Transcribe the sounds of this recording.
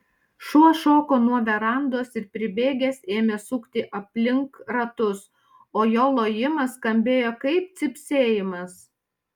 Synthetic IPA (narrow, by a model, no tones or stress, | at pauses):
ʃuɔʃoːkoːnuɔʋʲɛɾɐˑnd̪oɔsɪɾpʲɾʲɪbʲeːɡʲeseːmʲesuːkt̪ʲɪʔɐpʲlʲɪŋkɾɐt̪ʊs | oːjoːlˠoːjɪmɐskɐmʲbʲeːjoːkɐɪp̚t̪sʲɪpʲsʲeːjɪmɐs